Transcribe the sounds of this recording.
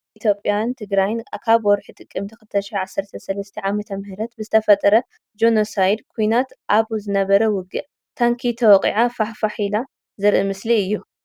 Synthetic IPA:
ʔit̪ʰjo̞pʼjant̪ʰɨɡɾajnkʰaβwɔɾħit̪ʼɨkʼːɨmt̪ʰixɨlt̪ʰɐʃɪħʕasːɐɾt̪ʰɐsɐlɐst̪ʰɐʕamɐt̪ʰɐmhɨɾɐt̪bɨzɨt̪ʰɐfɐt̪ʼɐɾɐ | d͡ʒo̞nosajd̪kʰujnat̪ʔaβzɨnɐβɐɾɐwʊɡɨʔ | t̪ʰaŋkʰit̪ʰɐwɔkʼḭʕafaħfaħila | zɨɾʔɨmɨsliɨjːu

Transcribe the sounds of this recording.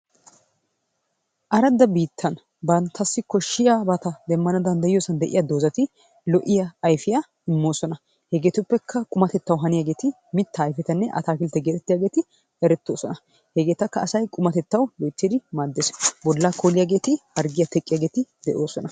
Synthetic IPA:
ʔɐɾɐd̪ːɐbiːt̪ʰːɐn | bɐnt̪ʰːɐsːɪkɔʃːɪjaːbɐt̪ɐd̪ɛmːɐnɐd̪ɐnd̪ɐjjoːsɐnd̪ɛʔɪ̰jad̪o̞ːzɐt̪ɪ | lɔʔɪjɐːjfɪja | ɪmːo̞ːsɔnɐ | hɛɡe̞ːt̪ʊpːɛkʰːɐkʼʊmɐt̪ɛt̪ːɐwɦɐnɪjaːɡe̞ːt̪ɪ | mɪt̪ːaːjfɛt̪ɐnːɛʔɐ̰t̪aːkɪlt̪ːɛɡeːt̪ɛt̪ːɪjaːɡeːt̪ɪ | ɛɾɛt̪ːo̞ːsɔnɐ | hɛɡe̞ːt̪ɐkːɐːsɐjkʼʊmɐt̪ɛt̪ːɐwbɔjt̪ːɪd̪ɪmaːd̪ːesbɔlːakoːlɪjaːɡe̞ːt̪ɪhɐɾɡɪjɐt̪ɛkʼɪjaːɡeːt̪ɪd̪ɛʔo̞ːsɔnɐ

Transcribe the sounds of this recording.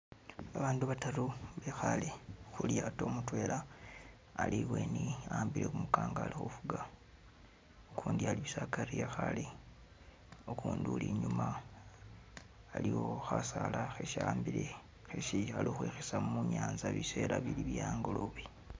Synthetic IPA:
aβaːnduβataɾuβexalexuljato̞ːmutwe̞ːlʔaː | liβwe̞niaːmbile̞kumukaːŋɡaːlixufuɡa | okʰuːndialiβisakaɾiexale | okuːndṵliɲuma | liwo̞xasalaxeʃaːmbile | xeʃialoːxweːxesamuɲaːnzaβise̞ːlaβiliβjaːŋɡoloβi

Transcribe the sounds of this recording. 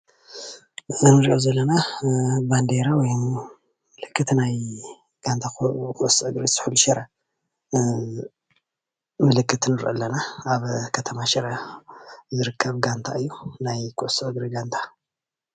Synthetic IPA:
nɨɾiʔozɐlːɐnaband̪eɾawɔj | mɨlɨkːɨt̪naj | ɡ̥ant̪ʰakʰuʔsʔɨɡɾisɨ̥ħuluʃɛɾɐ | mɨlɨkʰːɨt̪nɨɾʔɨ̰lːɐnaaβkʰɐt̪ʰɐmaʃɐɾɐ | zɨɾɨkʰːɐβɡant̪ʰa̰ɨjːunajkʰuʔsʔɨɡɾiɡant̪ʰḁ

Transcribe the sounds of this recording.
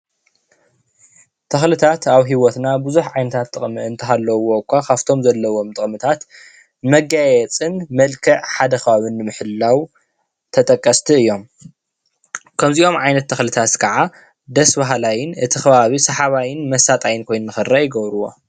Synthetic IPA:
t̪ʰɐxlɨt̪ʰat̪aβɦiwɔt̪nabɨzuħʕajnɐt̪ʰat̪ʼːɨχʼmɨɨnt̪ʰɐɦalːɐwokʷʰːakʰaft̪ʰo̞mzɐlːɐwo̞mt̪ʼɨχʼmɨt̪ʰat̪ | mɐɡajɛt͡sʼɨnmɐlkʰɐʕħad̪ɐxɐβaβɨnːɨmɨħɨlːaw | t̪ʰɐt̪ʼɐkʼːɐst̪ʰɨɨjːo̞m | kʰɐmziʔo̞mʕajnɐt̪ʰːɐxlɨt̪ʰat̪kʰɐʕa | d̪ɐsbaɦlajɪnʔɨt̪ʰixɐβaβisɐħaβajɪnmɐsat̪ʼajɪnkʰo̞jnunɨxɨɾajɪɡɐβɾuwo̞

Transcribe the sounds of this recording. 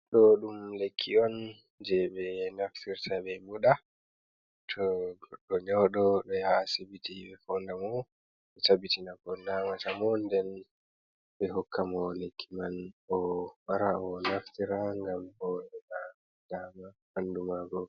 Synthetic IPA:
ɗɔɗumlekʰːiɔn | d͡ʒɛɓɛnaftiɾtʰabɛmuɗa | tʰɔɗɔɲɔɗɔɗɔjaːsibitiɓɛfɔndamɔ | ɓɛtabitinaɡɔnnamatamɔndɛn | ɓɛɦɔkʰːamɔlekʰːimanɔwaɾaɔnaftiɾaŋɡambɔɗɛna | damahandumaɡɔ

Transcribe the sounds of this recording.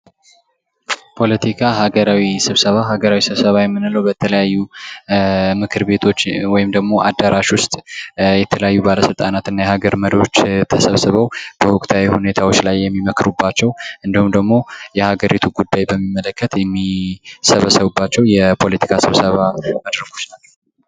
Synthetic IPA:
pʰo̞lət̪ʰikʰaɦaɡəɾawisɨβsəβaɦaɡəɾawisɨβsəβajɛmːɨnɨləwbət̪ʰələjajːu | mɨkʰɨɾbe̞t̪ʰo̞t͡ʃːwɔjɪmd̪əɡmo̞ʔad̪ːəɾʔaʃwʊst̪ʼjɛt̪ʰələjajːubaləsɨlt̪ʼanat̪ɨnːajɛhaɡəɾməɾiot͡ʃːt̪ʰəsəβsɨβəwb̥əwʊkʼt̪ʰawihune̞t̪ʰawo̞t͡ʃːlajːɛmːiməkɾubːat͡ʃːɛwʔɨnd̪ihumd̪əɡmo̞jɛhaɡəɾit̪ʰuɡud̪ːajbəmːimːələkːət̪jɛmːisəβəsəβubːat͡ʃːɛwjɛpʰo̞lət̪ʰi̥kʰasɨβsəβaməd̪ɾəɡʰot͡ʃnat͡ʃːɛ

